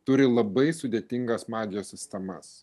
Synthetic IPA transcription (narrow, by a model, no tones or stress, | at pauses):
t̪ʊɾʲɪlˠɐbɐɪsʊd̪ʲeːt̪ʲɪŋɡɐsmɑːd̪ʲɪjoːsʲɪsʲt̪ʲɛmɐs